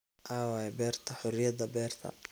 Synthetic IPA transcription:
ʔaːwaːjɛbɛːrt̪ʰɐħʊɾɪjɐðɐbɛːrt̪ʰɐ̰

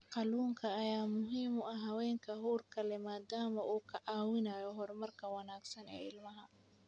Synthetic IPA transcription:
qɑluːŋkʰɐːjaːmʊɦiːmʊɐɦɐwɛːŋkʰɐɦuːrkʰɐlɛmaːd̪aːmɐʔuːkʰɐʔaːwɪnaːjɔɦɔrmɐrkʰɐwɑnaːɡsɐnɛ̰ːɪlmɐɦɐ

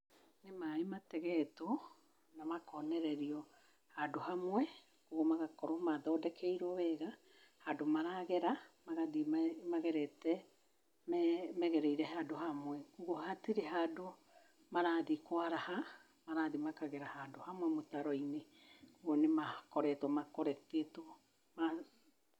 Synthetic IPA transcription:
nemaematɛɣɛto | namakɔnɛɾɛɾiɔ | hadohamwɛ | koɣomaɣakɔɾomaðɔdɛkʰɛiɾɔβɛɣa | hadomaɾaɣɛɾamaɣaðimaɣɛɾɛtɛ | mɛmɛɣeɾejɾeɦadoɦamuɛuɣoɦatiɾeɦado | maɾaðikoaɾaha | maɾaðimakaɣeɾahadohamwemotaɾojneuɣonemakoɾɛtomakoɾɛteto | ma

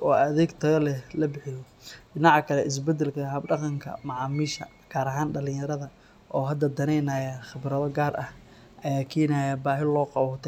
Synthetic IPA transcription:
ʔɔːɐðɛːɡt̪ʰɐɣɐlɛlɐbɪħɪjɔ | bɪnɑʕkʰɐlɛʔɪs̬bɛd̪ɛlkʰɐɦɐbɖɑqɑŋkʰɐ̰mɑʕɑːmiːʃɐ̰ | ɡ̥aːɾɐɦaːnɖɐlɪ̃jɐɾɐðɐ | ʔɔːɦɐd̪ɐd̪ɐnɛjnaːjaχɪβɾɐðɔɡaːrʔɐh | ʔɐjaːkʰiːnaːjabaːɦɪlɔːqɑwʊt̪ʰɛ

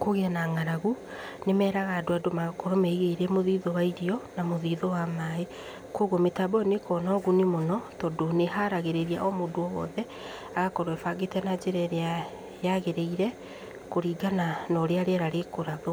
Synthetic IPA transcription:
koɣeanaŋaɾaɣunemɛːɾaɣadoadomaɣakɔɾɔmɛiɣeiɾɛmoðiːðowaiɾiɔnamoðiðowamae | koɣometabɔnekɔnɔɣunemonɔtɔdoneɦaɾaɣeɾeɾiaʔɔmodoɔwɔ̰ðɛ | aɣakɔɾwɛfaɡetɛnad͡ʒeɾɛɾea | jaɣeɾeiɾɛ | koɾiːɡananɔɾeaɾeɛɾaɾekoɾaðo

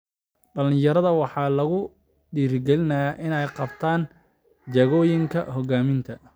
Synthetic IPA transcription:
ɖɐlɪ̃jɐɾɐðɐwɑħɑːlɐɣʊ | ɖiːrɡɛlɪnaʔɪnɛjqɑbt̪ʰaːn | d͡ʒɐɣɔːjɪŋkʰɐɦɔɡaːmɪnt̪ʰɐ

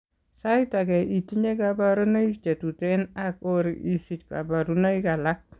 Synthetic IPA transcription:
saitakɛʔitiɲekabaɾunait͡ʃetutɛnakoɾḭʔisit̚ka̰baɾunaikalak̚

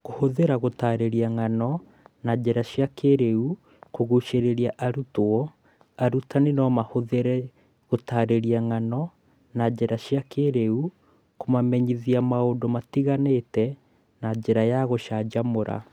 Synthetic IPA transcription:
ɣohoðeɾaɣotaɾeɾiaŋanɔ | nad͡ʒeɾaʃjakeɾeu | koɣuʃeɾeɾiaʔaɾutoɔ | aɾutanenɔmahoðeɾɛ | ɣotaːɾeɾiaŋanɔ | nad͡ʒeɾaʃiakeɾeu | komamɛɲiðiamaodomatiɣanetɛ | nad͡ʒeɾajaɣoʃad͡ʒamoɾa̰

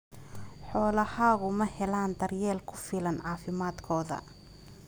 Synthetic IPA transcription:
ħɔːlɐhaːɣʊmɐhɛlaːnd̪ɐrjɛːlkʰʊ̥fɪlɐnʕɑːfɪmaːd̪kʰɔːðɐ̰

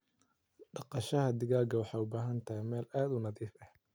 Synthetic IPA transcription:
ɖɑqɑʃɐɦɐd̪ɪɣaːɡɐwɑħɑːʊbaːɦɐnt̪ʰɐhɛjmɛːlaːd̪ʊnɐðiːfɐh

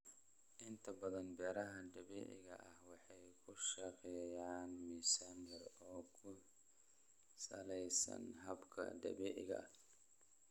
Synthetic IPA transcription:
ʔɪnt̪ʰɐbɐðɐnbɛːɾɐɦɐd̪ɐβɛ̰ːʔɪ̰ɣɐ̰ʔɐhwɑħɑjkʰʊʃɐqɛːjaːnmiːsanjɐrɔːkʰʊ | sɐ̰lɛjsɐ̰nɦɐbkʰɐ̰d̪ɐ̰βɛʔɪ̰ɣɐ̰ʔɐ

